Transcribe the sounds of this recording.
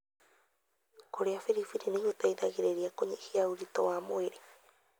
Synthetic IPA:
koɾeafiɾifiɾinĩhut̪aid̪aɣiɾeɾiakoɲehiauɾit̪o̰amoeɾe

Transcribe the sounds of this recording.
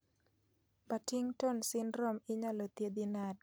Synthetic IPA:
patiŋtɔnsɪnɾomɪɲɔlot̪jed̪inad

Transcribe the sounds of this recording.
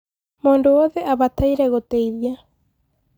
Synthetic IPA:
mondooðeʔaβat̪ʰajɾeɣot̪eiðja

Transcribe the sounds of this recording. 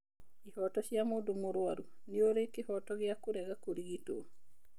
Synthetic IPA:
ihɔtɔʃjamodomoɾwaɾu | nioɾekehɔtɔɣjakoɾɛɣakoɾiɣito

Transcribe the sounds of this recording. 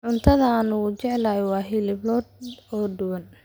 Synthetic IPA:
ʕʊnt̪ʰɐðɐːnʊʊt͡ʃɛʕlaːjɪwɑːɦɪlɪblɔd̪ɔːdʊwɐn

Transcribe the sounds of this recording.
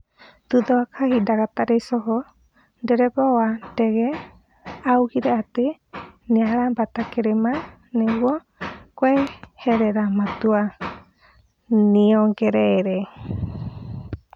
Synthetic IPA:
t̪ud̪ɔakʰahidakat̪aɾɛsɔɦɔ | dɛɾɛpawadɛɡɛ | aukiɾɛat̪i | niaɺabat̪akeɾɛma | nɛwɔ | kwehɛɾɛɾamãt̪ua | niɔɡeɾɛɾɛ

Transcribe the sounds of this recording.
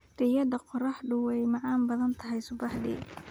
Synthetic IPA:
d̪̥ɪjɐd̪ɐqɔrɑħɖʊwɛjmɑʕɑːmbɐðɐnt̪ʰɐɦɛjsʊbɑħd̪ḭː

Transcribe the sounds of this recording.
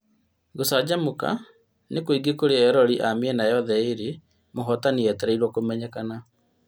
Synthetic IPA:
ɣosad͡ʑamuka̰ | nekoiɡekoɾeɛɾɔɾiʔamiɛnajɔðɛeɾe | moɦɔtaniɛtɛɾɛiɾwɔkomɛɲɛkana

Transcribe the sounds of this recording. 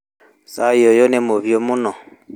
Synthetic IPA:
sajojonɛmoβjomunɔ

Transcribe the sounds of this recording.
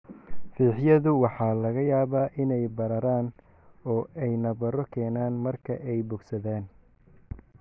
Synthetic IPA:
fiːħjɐðʊwɑħɑːlɐɣɐjaːβaːʔɪnɛjbɐɾɐɾaːn | ɔːʔɛjnɐβɐɾɔkʰɛːnaːnmɐrkʰɐʔɛjbʊɡsɐðɛːn

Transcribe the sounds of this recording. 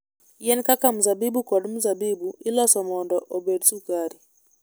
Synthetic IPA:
jɛnkakamuzabibukɔdmuzabibuɪlɔsɔmɔndɔʔobedsukaɾi

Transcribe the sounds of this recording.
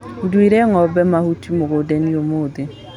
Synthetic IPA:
dwiɾɛŋɔbɛmahutimoɡodɛniomode

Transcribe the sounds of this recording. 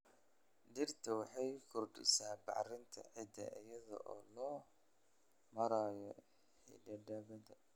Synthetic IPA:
d̪ɪrt̪ʰɐwɑħɑjkʰʊrɖɪ̰saːbɑ̰ʕrɪnt̪ʰɐ̰ʕɪd̪ɐ̰ʔɪjɐðɔ̰ʔɔːlɔː | mɐɾaːjɔ | ħḭɖɐɖɐβɐd̪ɐ

